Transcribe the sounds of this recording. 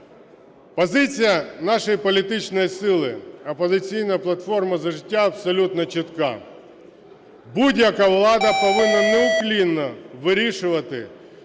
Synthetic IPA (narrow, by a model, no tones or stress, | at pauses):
pɔzɪt͡sʲijɐnɑʃɔjipɔlʲit̪ɪt͡ʃnɔjisɪlˠɪɐpɔzɪt͡sʲijnɐplˠɐt̪fɔrmɐzɐʒɪtʲːaɐbsɔlʲut̪nɐt͡ʃɪt̪kɑ̰ | budʲjɐkaʋlˠɑd̪ɐpɔʋɪnːɐnɛʊklʲinːɔʋɪɾʲiʃʊʋɐt̪ɪ̰